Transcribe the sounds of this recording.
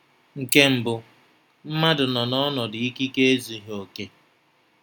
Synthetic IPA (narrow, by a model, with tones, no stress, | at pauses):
ŋ̩˨ke˦m̩˨bʊ˨ | m̩˦ma˦dʊ˨nɔ˨nɔ˦nɔ˨dɪ˨i˦ki˦ke˦e˦zi˨ɦo˨ke˦